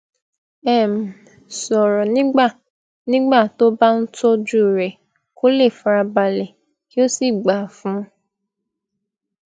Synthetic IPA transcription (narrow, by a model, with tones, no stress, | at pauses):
ɛ˦˨m̩˨ | sɔ˨ɾɔ˨nĩ˦ɡ͡ba˦˨ | nĩ˦ɡ͡ba˦˨to˦ba˦n̩˦to˦d͡ʒu˦˨ɾɛ˨ | ko˦le˦˨fɾa˧ba˧lɛ˨ | ki˦o˦si˦˨ɡ͡ba˨fũ˦